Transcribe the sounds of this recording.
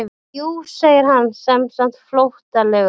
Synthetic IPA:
uːseːjɪɾ̥ɦanːsɛmsan̥t̪flowht̪alɛɣ

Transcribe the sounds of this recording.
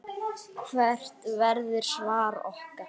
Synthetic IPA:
kʰvɛr̥t̪vɛɾðɪɾ̥svaːɾɔ̰hka

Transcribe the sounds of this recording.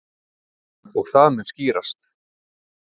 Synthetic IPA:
ɔɣθaðmɛnsciːɾast̪

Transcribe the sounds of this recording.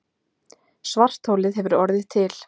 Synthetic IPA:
svar̥t̪howlɪðɦɛvʏɾɔɾðɪðt̪ʰɪl

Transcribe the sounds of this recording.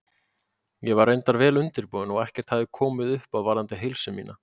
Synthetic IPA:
jɛvaɾejnt̪aɾvɛːlʏnt̪ɪɾpuːðʏnɔɣɛhcɛɾ̥t̪haðɪkʰɔːmɪðʏhpaðvaɾðant̪ɪɦɪlsʏmḭːna

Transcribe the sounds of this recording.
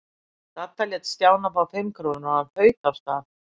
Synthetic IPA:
θat̪ːalɛt̪st̪jaːwnafawfɪmkʰɾoːnɔðanfœːɥt̪afst̪aː

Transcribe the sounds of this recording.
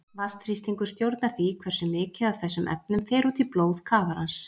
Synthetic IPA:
vast̪ɾ̥ist̪iŋkʏɾ̥st̪jowɾt̪naɾθikʰvɛr̥sʏmɪːcɪawθɛsːʏmʔɛ̰p̚nʏmfɛːɾut̪ʰilploːwð̥kʰaːvaɾans

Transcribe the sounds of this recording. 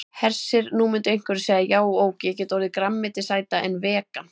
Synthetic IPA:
hɛr̥sɪɾnumʏnt̪ʏejŋ̥kʰvʏɾseɣðajaːwoːwcɪɛcɛːt̪ɔwɾɪðɪkɾamːɪt̪ɪsaːjt̪aʔɛnvɛːka

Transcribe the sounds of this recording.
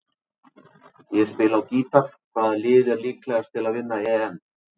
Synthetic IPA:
jɛspɪːlawciːt̪aɾ̥kʰvaːðlɪːðɛɾliːklɛɣast̪ʰɪlaðvɪnːaɛːɛn

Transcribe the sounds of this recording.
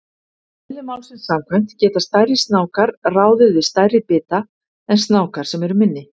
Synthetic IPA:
ɪlːɪmaːwlsɪnsamkʰvajm̥t̪cɛːt̪ast̪ajɾɪst̪naːwkaɾraːwðʏvɪðst̪ajɾɪpɪːt̪a | ɛnst̪naːwkaɾ̥sɛmɛɾʏmɪnːɪ

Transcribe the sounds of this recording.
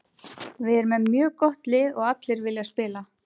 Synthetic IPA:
vɪðɛɾʏmɛðmjœːkɔht̪lɪːðɔɣat̪lɪɾvɪljaspɪːla

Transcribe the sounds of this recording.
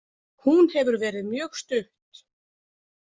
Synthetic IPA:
hunhɛvʏɾvɛːɾɪðmjœːxst̪ʏht̪

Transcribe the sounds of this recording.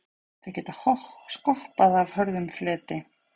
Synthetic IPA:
θaɾ̥cɛːt̪ahɔskɔhpaðavhœɾðʏmflɛːt̪ɪ

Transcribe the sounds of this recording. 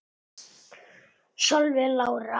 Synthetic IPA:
sɔlvɪlaːwɾa

